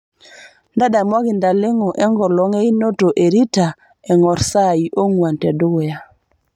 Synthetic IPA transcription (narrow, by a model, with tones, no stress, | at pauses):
nda˦da˨mwa˦ɡɪ˨nda˨lɪ˦ŋɔ˨ʔɛ˦ŋɡɔ˨lɔ˨˦ŋɛ˦i˦no˦to˨ʔe˨ɾi˦ta˨ | ɛ˨ŋɔ˨ɾsa˦˨i˨ʔo˦ŋwa˨ntɛ˨dʊ˦wja˦